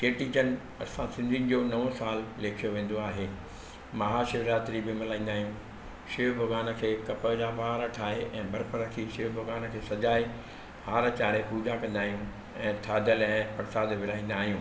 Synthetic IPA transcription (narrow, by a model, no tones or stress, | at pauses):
keːʈiːt͡ɕənɪ̆ | ɐ̰sãsɪ̃nd̪ʱin̆d͡ʑoːnɐʋosaːlleːkʰijoʋẽːn̆d̪oaːɦeː | mɐɦaːʃɪʋɾaːt̪ɾibɪmɪlaːĩːnd̪aːɦijũː | ʃɪʋbʱɐɡaːnə̆kʰeːkɐpəd͡ʑabaːɾəʈʰaːɦeʔɛ̃ːbɐɾpəɾɐkʰiʃɪʋbʱɐɡaːnəkʰeːsɐd͡ʑaːe | haːɾt͡ɕaːɾepuːd͡ʑakɐ̃nd̪aːɦijũ | ɛ̃ːt̪ʰaːd̪ʱəlɛ̃ːpɐɽsaːd̪ʋɪlaːĩːn̆d̪aːɦijũː